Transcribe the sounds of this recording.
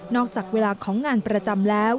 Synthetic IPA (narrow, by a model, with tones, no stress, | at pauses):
nɔː˥˩k̚t͡ɕaː˨˩k̚weː˧laː˧kʰɔː˩˦ŋːaː˧npɾa˧t͡ɕa˧mlɛː˦˥w